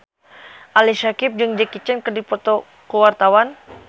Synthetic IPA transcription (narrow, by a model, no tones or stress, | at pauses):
ʔalisakip̚d͡ʒɨŋd͡ʒəkit͡ʃɛnkɨrdipɔt̪ɔ | kuwart̪awan